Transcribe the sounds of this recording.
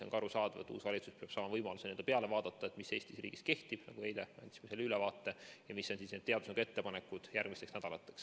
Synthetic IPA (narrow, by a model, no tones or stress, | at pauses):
o̞ŋkɑɾusɑːd̪̥ɑvḛt̪ːˑṵːsvɑlʲit̪suspeɑb̥sɑːmɑvɤjmɑlusenend̥̪epeɑle̞vɑːd̪̥ɑt̪ˑːɑe̞t̪mise̞ːst̪isrḭːɡ̥iske̞ht̪ib̥nɑ̰ɡ̥uejlemeɑ̰nt̪si̥meselːylɛvɑːt̪ːe̞jɑmisːo̞nsisneːd̪e̞ɑd̪usnɑɡ̥e̞t̪ːe̞pɑnekːˑud̪̥jærɡ̥̚mist̪eksnæd̪̥ɑlɑt̪ːˑe̞ks